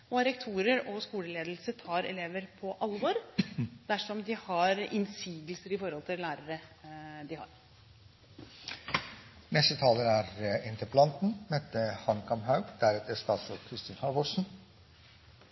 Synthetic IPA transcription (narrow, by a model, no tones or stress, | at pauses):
ɔɾɛkt̪ʰuːɾəɾɔskuːləleːd̪l̩səʈ̪ʰɑːɾɛ̰leːʋəɾpʰɔʔɑlʋɔɾd̪̥æʂɔmd̪ɪhɑɾɪnsiːɡ̪lsəɾɪfɔɾhɔlt̪ʰɪllæːɾəɾəd̪ɪhɑ̰ɾ | nɛst̪ət̪ʰɑːləɾæɾɪnt̪ʰəpəlɑnt̪n̩mɛt̪əhɑnkʰɑmhɑʉɡd̪̥æɾɛt̪əst̪ɑːt̪sɾoʋkʰɾɪst̪ɪnhɑʋɔʂn̩